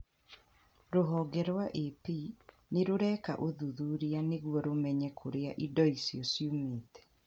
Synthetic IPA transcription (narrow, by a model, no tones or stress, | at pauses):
ɾoɦɔɡɛɾwaʔepi | neɾoɾɛka̰ʔoðuðuɾianeɣwɔɾomɛɲɛkʰoɾeaʔidɔisiɔsjumeːtɛ̥